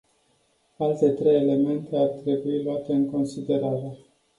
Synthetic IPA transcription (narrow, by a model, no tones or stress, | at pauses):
alt̪e̞t̪ɾe̞jele̞me̞nt̪e̞art̪ɾe̞builoat̪e̞ɨŋko̞nsid̪e̞ɾaɾe̞